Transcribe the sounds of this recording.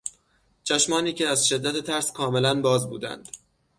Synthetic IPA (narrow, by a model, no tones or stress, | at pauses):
t͡ʃʰæʃmɒːniːcʰeæzʃe̞d̪ːæt̪ʰet̪ʰæɾskʰɒːme̞lænbɒːzbṵːd̪æ̰nd̪̥